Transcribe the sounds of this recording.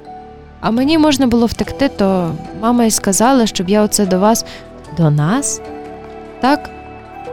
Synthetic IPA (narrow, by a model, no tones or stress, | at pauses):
ɐmenʲimɔʒnɐbʊlˠɔwt̪ɪkt̪ɪt̪ɔmɑmɐiskɐzɑlˠɐʃt͡ʃɔbjaɔt̪sɛd̪ɔʋɑs | d̪ɔnɑs | t̪ɑk